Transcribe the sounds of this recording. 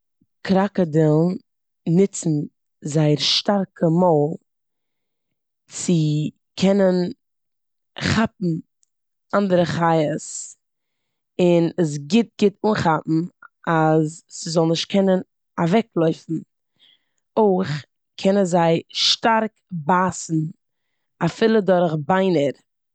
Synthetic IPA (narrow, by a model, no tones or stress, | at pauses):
kɾakədɪlˠn | nɪt͡sn̩ | zaɪəɾʃtaɾkʰəmɔlˠ | t͡sɪ | kʰɛnən | χap̚m̩ | andəɾəχaɪəs | ɪnəs̬ɡɪt̚ɡɪtuːnχapm̩azːɪzɔlˠnɪʃt̚kʰɛnən | avɛklˠɔʏfn̩ | oɪχ | kʰɛnənzaɪʃtaɾk | baːsn̩ | afɪlˠədɔɾχbaɪnəɾ